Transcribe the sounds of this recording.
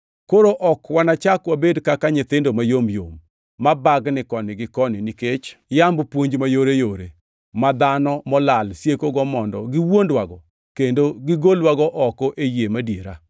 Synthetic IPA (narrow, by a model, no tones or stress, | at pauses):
koɾoʔɔkwanat͡ʃakwabedkakaɲɪt̪ɪndomajomjo̰mː | abaɡnɪkɔnɪɡɪkɔnɪniket͡ʃjambpwoɲd͡ʒmajoɾejoɾḛ | mad̪anɔmɔlalsjekoɡɔmɔndɔɡɪwondwaɡɔ | kendoɡɪɡolwaɡɔʔɔkɔʔejemadjeɾa̰